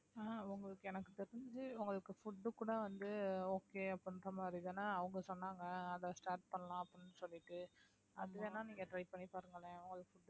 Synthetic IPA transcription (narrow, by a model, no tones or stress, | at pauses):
aːʊŋɡɐɭɯkːɯɛnɐkːɯt̪ɛɾɪɲd͡ʒɯʊŋɡɐɭɯkːɯfʊʈːɯkuːɽɐʋɐnd̪ɯoːkeːɐpːɽɪnɾɐmaːd̪ɾiðeːnːaːɐʋɐŋɡɐsɔnːaːŋɡɐːðɐsʈaːɾʈ̚pɐɳːɐlãːɐpːɽɪnːɯsɔlːɪʈːɯ | ʔɐðɯʋeːnːaːniːŋɡɐʈɾɐɪpɐɳːipaːɾɯŋɡɐɭẽʊŋɡɐɭɯkːfʊɖː